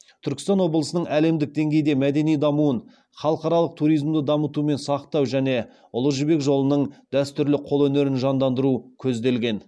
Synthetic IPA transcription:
t̪ʰʏɾkʲɪ̥st̪ɑnwo̞blˠəsənəɴʔæle̞md̪ɪk̚d̪e̞ŋɡʲe̞jd̪e̞mæd̪e̞nijd̪ɑmuən | χɑlˠəqɑɾɑlˠəq̚t̪ʰuɾijzmd̪əd̪ɑmət̪ume̞nsɑqt̪ɑwʒæne̞ | ʊlˠəʒɪbe̞kʒo̞lˠənəɴd̪̥æst̪ʏɾlɪqʰo̞lˠɵne̞ɾɪnʒɑnd̪ɑnd̪əɾukʲʰɵzd̪e̞lɡʲe̞n

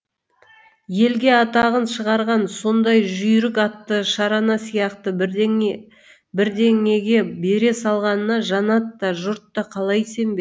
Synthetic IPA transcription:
je̞lɡʲe̞ɑt̪ɑʁənʃəʁɑɾʁɑnso̞nd̪ɑjʒʏjɾɪkɑt̪ːəʃɑɾɑnɑsijɑqt̪ə | bɪɾd̪e̞ŋe̞ɡʲe̞be̞ɾe̞sɑlˠʁɑnənɑʒɑnɑt̪ːɑʒʊɾt̪ːɑqʰɑlˠɑjse̞mbe

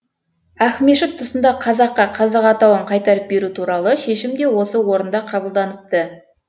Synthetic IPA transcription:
æxme̞ʃɪt̪ʰːʊsənd̪ɑqʰɑzɑqːɑqʰɑzɑqɑt̪ɑwəɴqʰɑjt̪ɑɾəp̚be̞ɾut̪ʰuɾɑlˠəʃe̞ʃɪmd̪e̞wo̞səwo̞ɾənd̪ɑqʰɑbəlˠd̪ɑnəp̚t̪ə

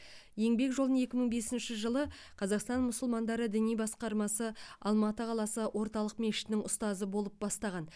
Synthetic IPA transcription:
je̞ŋbe̞kʒo̞lˠd̪nəɴe̞kʲɪməɴbe̞sɪnʃɪʒəlˠə | qʰɑzɑqst̪ɑnmʊsʊlˠmɑnd̪ɑɾəd̪ɪnijbɑsqɑɾmɑsəɑlˠmɑt̪əqʰɑlˠɑsəwʔo̞ɾt̪ɑlˠəqme̞ʃɪ̥t̪ɪnɪŋʊst̪ɑzəbo̞lˠəp̚bɑst̪ɑʁɑn

